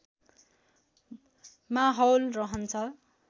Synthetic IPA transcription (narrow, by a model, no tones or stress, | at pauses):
maɦʌwlrʌɦʌnt͡sʰʌ